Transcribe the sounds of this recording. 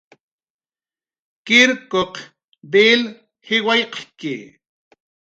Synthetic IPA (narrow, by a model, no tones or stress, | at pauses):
kɪɾkoq | b̪eːl | hɪwajqkɪ